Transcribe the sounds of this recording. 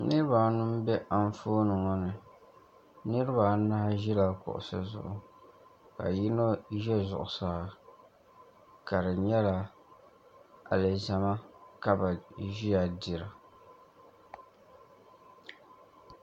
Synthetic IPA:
nɨ˦ɾɨ˦ba˨nɨ˦m˦bɛ˦ʔa˨ɱ˦foː˦nɨ˨ŋɔ˦nɨ˨ | nɨ˦ɾɨ˦ba˨na˦ʒi˦la˨kʊ̰˨ʔʊ̰˨sɨ̰˨zʊ̰˨ʔʊ˨ | ka̰˨ji˦no˦ʒɛ˦zʊ̰˨ʔʊ˨saː˨ | ka˨dɨ˨ɲɛ˦la˨ | a̰˨lɨ˨za˨ma˦ka˦ba˨ʒi˦ja˨di˨ɾa˨

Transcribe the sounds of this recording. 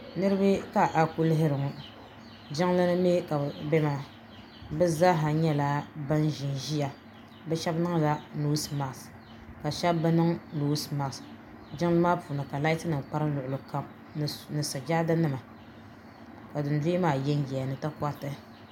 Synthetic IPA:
nɨ˦ɾɨ˦bɨ˦ka˦˨ʔa˨ku˦lɪ˦ɦɪ˦ɾɨ˨ŋʊ˨ | d͡ʒɪ˦ŋla˦nɨ˦me˦ka˨bɛ˦ma˨ | bɛ˦za˦ɦa˨ɲɛ˦laː˦ba˦nʒi˨n˨ʒi˦ja˨ | bɛ˦ʃɛ˦bnɨ˦ŋ˦la˦no˦sma˨ʔs | ka˨ʃɛ˦b̚ːɛ˦nɨ˦ŋno˨˦sma˨s | d͡ʒɪ˦ŋ˦lɨ˦maː˦pu˨nɨ˨ka˨la˦i˦tɨ˦nɨ˨m˨k͡pa˦ɾɨ˦lʊ˨ʔʊ˨lɨ˨ka˨m˨ | nɨ˨sa˨d͡ʒa˦da˦nɨ˦ma˨ | ka˨dɨ˨n˨de˦maː˨jɛ˦n˦ɡɛ˨ja˨nɨ˨tɨ˦ka˦tɨ˦

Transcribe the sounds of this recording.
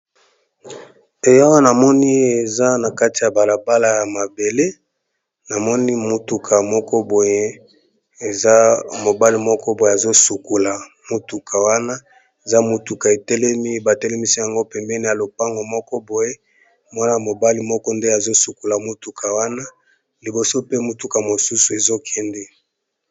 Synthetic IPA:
e˨ja˦wa˦na˨mɔ˦ni˦e˨za˦na˨ka˦ti˨ja˨ba˨la˨ba˦la˦ja˨ma˨be˨le˦ | na˨mɔ˦ni˦mo˨tu˨kʰa˨mɔ˦kɔ˦bo˨je˦ | e˨za˦mo˨ba˦li˨mɔ˦kɔ˦bo˨je˦˨a˨zo˦su˨ku˨la˨ | mo˨tu˨kʰa˨wa˦na˦ | e˨za˦mo˨tu˨ka˨e˨tɛ˦lɛ˦mi˦ba˨tɛ˦lɛ˦mi˦si˦ja˨ŋɡo˦pɛ˨mbɛ˦ni˨ja˨lo˨pa˦ŋɡo˨mɔ˦kɔ˦bo˨je˦ | mwa˦na˦˨mo˨ba˦li˨mɔ˦kɔ˦nde˦a˨zo˦su˨ku˨la˨mo˦tu˨kʰa˨wa˦na˦ | li˨bo˨so˦pe˦mo˨tu˨ka˨mo˨su˦su˨e˨zo˦kʰɛ˦ndɛ˦

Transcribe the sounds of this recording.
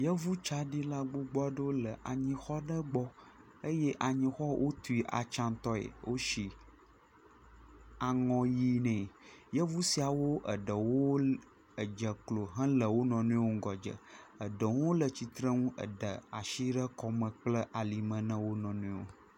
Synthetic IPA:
jə˦vu˦t͡ʃa˦ɖi˦la˦ɡ͡bu˦ɡ͡bɔ˦ɖə˦wo˦lə˨ʔa˨ɲĩ˦xɔ˦ɖə˦ɡ͡bɔ˦ | ə˦jɛ˦ʔa˨ɲĩ˨xɔ˦wʔo˦t̪u˨i˨ʔa̰˨t͡ʃã˦nt̪ɔ˦ḛ˨wo˦ʃi˨ | a˨ŋɔ̃˨ji˦nɛ̃˨jə˦vu˦si˨a˨wo˦ʔə˨ɖə˨wo˦ | ə˨d͡ʒə˨klo˨ɦə̃˦lə˨wo˦nɔ̃˨nũ˦o˦ŋ̩˦ɡɔ˨d͡ʒə̰˨ə˨ɖə˨ŋũ˦o˦lə˨t͡ɕi˨t̪ɾə˦ŋũ˦ʔə̰˨ɖə̰˨a˨ʃi˦ɖə˦kɔ˦mə̃˨k͡plə˦ʔa˨li˨mə̃˨nə̃˦wo˦nɔ̃˨nũ˦wo̰˦

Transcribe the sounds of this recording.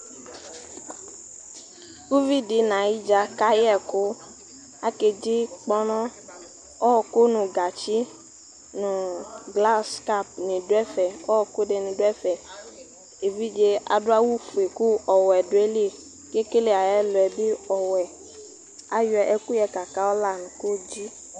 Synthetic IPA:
ku˦vi˦di˨nã˨ji˦d͡ʒa˨ka˦jɛ˨kʊ˦ | a˦ke˨d͡ʒi˦k͡pɔ˦nɔ̃˦ | ɔ˦ɔ˨ko˦nũ˨ɡa˨t͡ʃi˦ | nũ˨ɡla˦ska˦˨p̚nĩ˨do˦ɛ˦fɛ˨ɔ˦ɔ˨ko˦de˨nĩ˨dʊ˦ɛ˦fɛ˨ | e˨vi˦d͡ʒe˦a̰˨dʊ˦a˦wu˦fu˨e˨ku˦ɔ˨wɛ˨dʊ˨˦e˦le˦˨ | ke˦ke˦le˦a˨jɛ˦lʊ˨ɛ˨bi˦ɔ˨wɛ˨ | a˨jʊ˦ɛ˨ʔɛ˨ku˦jɛ˨ka˨ka˦ɔ˦la˦˨nũ˨ko˦d͡ʒi˦

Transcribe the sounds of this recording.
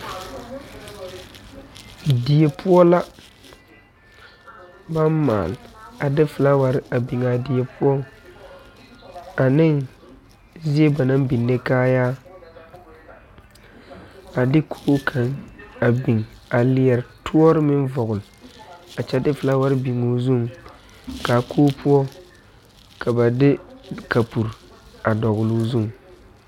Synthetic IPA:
di˨e˨pʰʊ˦ɔ˦la˦ | ba˦mma̰ː˨la˨dɪ˦fɪ˨la˦wa˨ɾɪ˦a˨bi˨ŋa˨di˨e˨pʰʊ˦ɔ˦ŋ | a˨nɪ˦ŋ | zi˦e˦ba˨na˦ŋbi˨nːe˦kaː˦jaː˦ | a˨dɪ˦kʰoː˦kʰa˨ŋa˨bi˨ŋa˨li˨ɛ˨ɾtʰu˦ɔ˦ɾɪ˦mɪ˦nvɔ˨ɣʊ˨la˨t͡ʃɛ˦dɪ˦fɪ˨la˦wa˦ɾbi˨ŋoː˦zu˦m | ka˨kʰoː˦pʰu˦ɔ˦ | ka˨ba˨dɪ˦ka˨pu˨ɾ | a˨dɔ˨ɣʊ˨lu˦zu˦˨ŋ˨

